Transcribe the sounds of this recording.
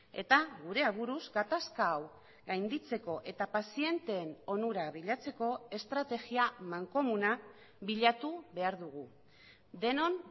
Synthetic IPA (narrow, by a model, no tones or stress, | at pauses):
e̞t̪aɣuɾe̞aβuɾuzɡat̪askaːw | ɡajnd̪it͡se̞ko̞ʔe̞t̪apasie̞nt̪e̞ːno̞nuɾaβiʎat͡se̞ko̞e̞st̪ɾat̪e̞ɣiamaŋko̞muna | βiʎat̪uβe̞aɾðuɣu | d̪e̞no̞n